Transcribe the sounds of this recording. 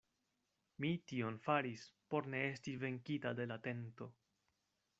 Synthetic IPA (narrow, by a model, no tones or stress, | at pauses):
mitio̞nfaɾispo̞ɾne̞e̞stive̞ŋkitade̞late̞nto̞